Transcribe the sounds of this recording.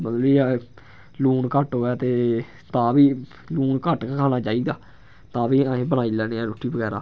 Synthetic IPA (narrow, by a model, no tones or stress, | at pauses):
mət̪lbiːɛ | luːnkəʈɦoːaːt̪eː | t̪ãːʋiː | luːnkəʈkkʰaːnaːt͡ʃaːiːd̪aː | t̪ãːʋiːaːẽːbəñaːiːlɛːneːɛːɾʊʈʰːiːbəɡɛːɾa̰ː